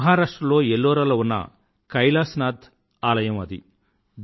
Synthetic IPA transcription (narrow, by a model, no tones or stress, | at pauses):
ɦaːɾaːʂʈɾɐlo̞ːelːoːɾɐlɐunːɐ̰ | kɐjlaːsnaːd̪ | aːlɐjɐmɐd̪ḭ | d̪